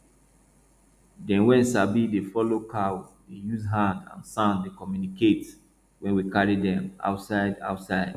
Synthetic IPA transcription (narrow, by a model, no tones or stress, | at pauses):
dɛ̃nwɛ̃nsabidefɔlokʰawdejuzɦãndã̰nsãndekɔmjuniket | wɛ̃nwikaɹidɛ̃ma̰ʊtsaɪda̰ʊtsaɪd̥